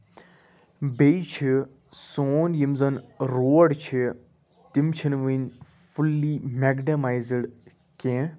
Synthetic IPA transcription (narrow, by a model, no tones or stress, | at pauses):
bejt͡ʃʰi | soːnjimzɐnɾoːɽt͡ʃʰi | t̪imt͡ʃʰinʋin | fulːimeɡɖɐmaːjzɖ | kẽː